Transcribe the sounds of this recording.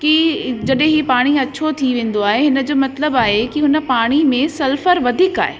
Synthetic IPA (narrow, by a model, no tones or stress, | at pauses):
kid͡ʑɐɗɦẽɦipaːɽ̃iɐtːɕʰot̪ʰiʋẽːn̆d̪oaːɦeɦɪnə̆d͡ʑoːmɐt̪ləbaːɦekiɦʊnə̆paːɽ̃imẽsɐlfəɾʋɐd̪ʱiːka̰ːɦe